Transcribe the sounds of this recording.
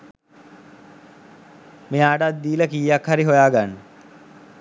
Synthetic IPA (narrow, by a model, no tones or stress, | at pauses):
mejaːʈat̪̚ːiːləkiːakhaɾiɦojaːɡanːə